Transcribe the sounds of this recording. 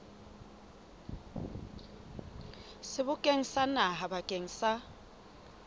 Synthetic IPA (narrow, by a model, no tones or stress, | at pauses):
sɪbʊkʼeŋ̩sanaɦabakʼeŋ̩sa